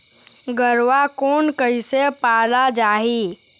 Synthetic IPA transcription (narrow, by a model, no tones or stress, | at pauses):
ɡəɾʋakoːnkəisepaːlad͡ʒaːɦiː